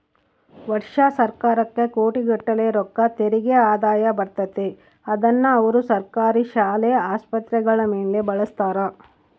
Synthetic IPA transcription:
ʋɐɾʂasɐɾkaːɾɐkːekoːʈiɡɐʈːɐleɾɔkːɐt̪eɾiɡeaːd̪aːjɐbɐɾt̪ɐt̪e | ɐd̪ɐnːɐːʋɐɾusɐɾkaːɾiʃaːlɛɐaːspɐt̪ɾɛɡɐɭɐmeːɳlebɐɭɐst̪aːɾɐ

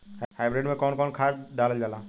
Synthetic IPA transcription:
hhajbɾeɖmekɔnkɔnkʰaʈd̪ald͡ʒala

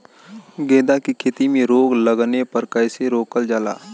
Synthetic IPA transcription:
ɡẽːd̪akikʰeːt̪imẽɾoːɡləɡnepɐɾkəjseɾoːkəld͡ʒaːla̰ː

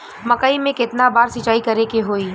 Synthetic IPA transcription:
mɐkaimẽkɪt̪nabaːɾsɪt͡ʃaːikɐɾekeɦoːiː

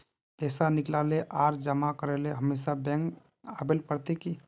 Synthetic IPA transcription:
pɛːsanɪklaleʔaːɾd͡ʒəmakəɾeleɦəmesabɛ̃ŋk | abelpəɾt̪eki

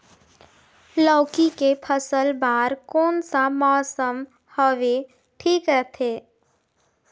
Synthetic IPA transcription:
lɔːkikepʰəsəlbaːɾkɔːnsamɔːsəm | həʋe | ʈʰiːkɾət̪ʰeː

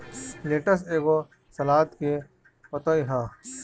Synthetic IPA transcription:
leːʈəs̬eːɡo | sɐlaːt̪ke | pɐt̪ɐiɦaː

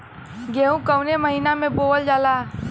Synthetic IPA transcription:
ɡeːɦũkəwneməɦiːnamẽboːld͡ʒaːlaː

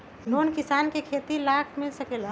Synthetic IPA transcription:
lonkisaːnkekʰet̪ilakʰmilsəkel

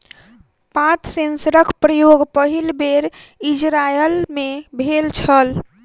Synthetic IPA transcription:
pãt̪sẽnsəɾəkʰpɾəjoɡpəɦilbeɾid͡ʒɾajəlmebʱelt͡ʃʰəl

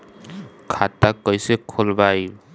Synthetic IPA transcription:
kʰatakːɔjsekʰolbaj

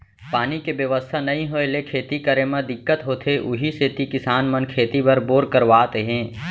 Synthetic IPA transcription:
paːnikebjəʋəst̪ʰanɐɦĩɦoelekʰeːt̪ikəɾemɐ̃d̪ɪkːət̪ɦoːt̪ʰeʔʊɦiset̪ikɪsaːnmənkʰeːt̪ibɐɾboːɾkəɾʋaːt̪eɦɛ̃ː

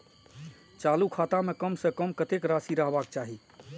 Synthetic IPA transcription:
t͡ʃaːlukʰaːt̪amekəmsẽkəmkət̪ekɾasiɾəɦbaːk̚t͡ʃaɦi

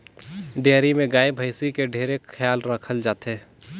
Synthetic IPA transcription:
ɖejːɾimẽɡaːebʱəɪsikeɖʱeːɾekxʰjaːlɾəkʰəld͡ʒaːt̪eː

